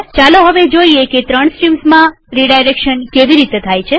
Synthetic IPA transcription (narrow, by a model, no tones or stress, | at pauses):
t͡ʃaloɦəʋed͡ʒoieket̪ɾəɳ̃sʈɾimsmã | ɾiɖajɾekʃənkeʋiɾit̪et̪ʰajt͡ʃʰe